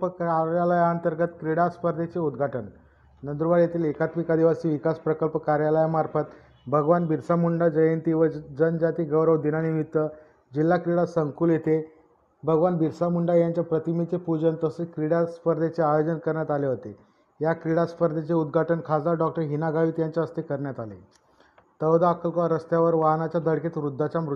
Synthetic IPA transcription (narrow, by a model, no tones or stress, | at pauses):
əkaɾjaləjaənt̪əɾɡət̪kɾiɽaspəɾd̪ʱet͡seud̪ɡʱaʈən | nənd̪ɾuʋaɽjet̪ʰiːlekat̪mikad̪iʋasiːʋikaspɾəkəlpəkaɾjaləjamaɾfət̪ | bʱəɡʋanbiɾsamuɳɖad͡zəjənt̪iʋəd͡zənd͡ʑat̪iːɡəʋɾəʋd̪inanimit̪ʋə | d͡ʑilːakɾiɽasəŋkuːljet̪e | bʱəɡʋanbiɾsamuɳɖajaɲt͡ɕjapɾət̪imit͡sepud͡ʑənt̪əsekɾiɽaspəɾd̪ʱet͡seajod͡ʑənkəɾɳjat̪aleɦot̪e | jakɾiɽaspəɾd̪ʱet͡seud̪ɡʱaʈʰənkʰad͡zaɖɔk̚ʈəɾɦinaɡaʋiːt̪jaɲt͡ɕaəst̪ikəɾɳjat̪alḛ | t̪əʋd̪aakəlkʋaɾəst̪jaʋəɾʋaɦnat͡ɕjad̪əɽket̪ʋɾud̪ʱːat͡ɕamɾu